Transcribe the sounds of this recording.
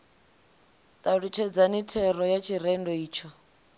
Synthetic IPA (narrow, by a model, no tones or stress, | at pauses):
t̪ʼaɺut͡ʃʰɛd͡zanitʰɛrɔjat͡ʃʰiɾɛndɔiːt͡ʃʰɔ